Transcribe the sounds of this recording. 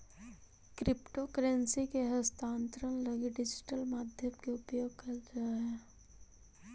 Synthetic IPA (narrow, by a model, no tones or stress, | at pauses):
kɾɪpʈokəɾensikeɦəst̪ʰãːnt̪ɾənlɐɡiɖɪd͡ʒɪ̥ʈəlmaːd̪ʱjəmkeʊpjoːɡ̚kɐɾd͡ʒae